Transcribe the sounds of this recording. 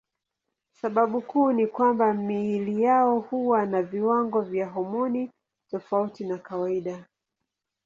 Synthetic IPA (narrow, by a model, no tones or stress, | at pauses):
saɓaɓukuːnikwambamiilijaɔhuwanaviwaŋɡɔvjaɦɔmɔni | tɔfautinakawaiɗa